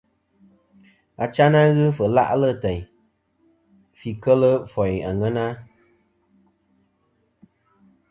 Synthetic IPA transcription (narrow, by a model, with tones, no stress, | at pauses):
a̰˨t͡ʃa˦na˦ɣɨ˦fə˨la̰˦ʔlə˦˨tɛ˨ɲ | fi˨kə˦lə˦fɔ˨ja̰˨ŋə˦na˦